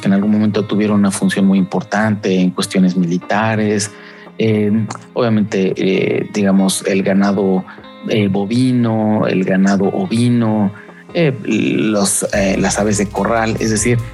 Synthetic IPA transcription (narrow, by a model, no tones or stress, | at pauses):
kenalɣunmoment̪ot̪uβje̞ɾonunafunsjo̞nmujimpo̞ɾt̪ant̪e̞ːŋkwe̞st̪jo̞ne̞zmilit̪aɾes | eoβjame̞nt̪e̞ḛd̪iɣamo̞selɡanaðo̞ | ebo̞βinoḛlɡanaðo̞ʔoβino | eloselasaβe̞zðeko̞rale̞̰zðe̞siɾ